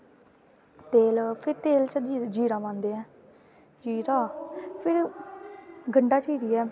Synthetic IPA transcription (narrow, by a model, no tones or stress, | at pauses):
t̪eːlpʰɪɾt̪eːlt͡ʃəd͡ʒiːɾãːmãːnd̪eːɛ̃ː | d͡ʒiːɾaːpʰɪɾ | ɡəɳɖaːt͡ʃiːɾiːɛː